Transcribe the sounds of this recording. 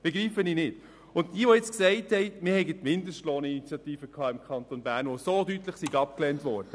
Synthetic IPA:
b̥eɡɾiːfəninɪt | ʊntd̥iːəʋojɛt͡sksɛɪthɛɪmɪɾhɛɪɡətmɪndəsʃtloːnəinit͡sjɑtiːfəkʰɑːɪmkʰɑntonbæːɾnʋosodytləχsiɡɑp̚klɛntʋɔːɾd̥ə

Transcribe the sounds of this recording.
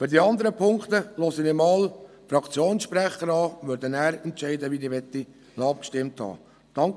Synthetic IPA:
fyɾdiɑnd̪əɾəpʰʊŋkt̪əlɔːsənɪmɑːl | fɾɑkt͡sjoːnsʃpɾæχəɾɑːʋøɾdənæːɾɛntt͡ʃɛɪd̪əʋiniʋɛt̪ːi | nɑp̚kʃtɪmt̪hɑ̰ː | d̥ɑŋk

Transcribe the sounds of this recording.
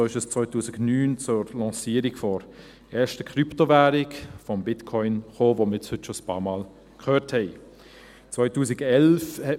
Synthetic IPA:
oːɪʃɛst͡svɔʏtuːsɪknyːnt͡sʊɾlɑ̃ːsiːəɾikfɔɾ | ʔɛːʃtəkryptovæːɾɪkfɔmbɪtkʰɔʏnχoːvomət͡shʏtʃospɑ̰ːmɑːl | kʰχøːthɛɪ | t͡sʋvɔʏtuːsɪɡɛlfhɛ

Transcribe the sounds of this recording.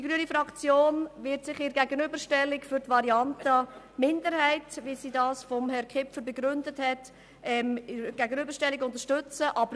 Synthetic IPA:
diɡɾyənifɾɑkt͡sjoːnvɪɾtsɪχɪɾɡæɡənybəɾʃtɛlːɪkfʏɾtvɑɾiɑntə | mɪndəɾhɛɪtvisiːdɑːsfɔmhɛɾkʰɪpfəɾbɛɡɾʏndəthɛt | ɛmɪɾɡ̥æɡənybəɾʃtɛlːɪkʊntəʃtʏt͡səʔɑbəɾ

